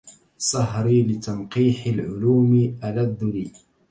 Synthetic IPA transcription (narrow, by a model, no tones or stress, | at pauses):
sˤɑɦɾiːlɪt̪anqiːħɪlʕʊluːmɪʔalad̪ːʊɾiː